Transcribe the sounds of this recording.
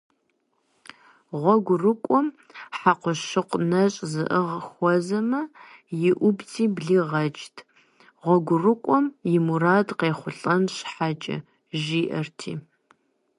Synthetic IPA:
ʁʷɔɡʷʊrɨkʷʼɔm | ħaqʷʊʃɨqʷnɐɕʼzɨ̰ʔɨʁxʷɔzɐmɐjɪʔʷʊbt͡sʰiːbɮiːʁɐd͡ʒtʰ | ʁʷɔɡʷʊrɨkʷʼɔmjɪmuraːdqeːχʷʊɬʼɐnɕħat͡ʃʼɐ̰ | ʒiːʔɐrtʰḭː

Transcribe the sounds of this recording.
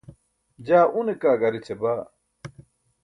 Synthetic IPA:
d͡ʑaːʔunekaːɡɐɾit͡ɕʰebaː

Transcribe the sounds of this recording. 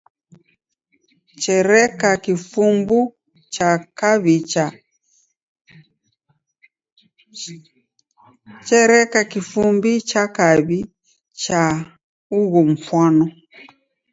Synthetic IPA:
t͡ʃɛɾɛkakifumbu | t͡ʃakaβit͡ʃa | t͡ʃɛɾɛkakifumbit͡ʃakaβi | t͡ʃa | uɣɔm̩fwanɔ

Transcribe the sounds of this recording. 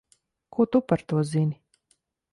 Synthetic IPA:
kut̪upaɾt̪uɔzinʲi

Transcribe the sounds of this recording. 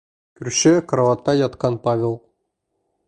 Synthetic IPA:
kɵ̆ɾʃɘkɾɐvat̪ːɑjɑt̪qɑnpavʲelˠ

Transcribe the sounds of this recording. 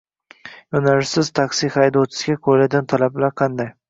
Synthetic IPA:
jonalɪsɪzt̪ʰaksihajd̪ɒt͡ʃʰɪ̥sɡʲakʰoɾlad̪ʲant̪ʰalablaɾqʰɑnd̪aj

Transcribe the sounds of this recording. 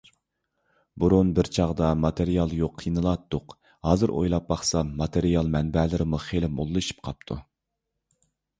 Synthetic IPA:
buɾunbɪɾt͡ʃʰɑʁd̪ɑmɑt̪ʰeɾijɑlˠjoqʰːinɨlˠɑt̪ːʊq | hɑːzɨɾʔo̰jlˠɑp̚bɑχsɑmɑt̪ʰeɾijɑlˠmɛnbɛlɪɾɪmuχelɪmolˠːɨʃi̥p̚qʰɑp̚t̪ʰṵ

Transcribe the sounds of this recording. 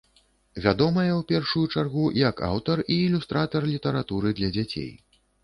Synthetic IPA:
vʲad̪ɔmɐjɛwpʲɛrʂujut͡ʂarɣujɐka̰wt̪ɐriːlʲust̪ɾat̪ɐrlʲit̪ɐɾat̪uɾɨd̪lʲɐd͡zʲat͡sʲḛj

